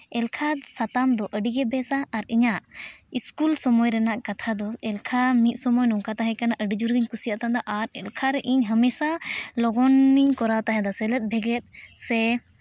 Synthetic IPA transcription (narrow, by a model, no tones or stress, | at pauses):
ɛlkʰasat̪amd̪ɔʔəɖiɡɛbɛsaːɾiɲaʔiskulsɔmɔjɾɛnaʔkat̪ʰad̪ɔɛlkʰamit̪̚ˀsɔmɔjnɔŋkat̪aɦɛ̃kanaʔəɖid͡ʒuɾɡiɲkusijaʔt̪and̪ɔʔaɾɛlkʰaɾɛʔiɲɦəmɛsalɔɡɔnːiɲkɔɾat̪aɦɛ̃d̪asɛlɛt̪̚bʱɛɡɛt̪̚ˀsɛ